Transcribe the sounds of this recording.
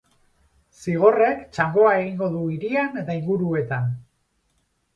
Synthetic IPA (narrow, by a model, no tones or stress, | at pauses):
siɣ̞o̞re̞kt͡ʃaŋɡo̞ae̞ɣiŋɡo̞ðuiɾiane̞t̪aiŋɡuɾue̞t̪an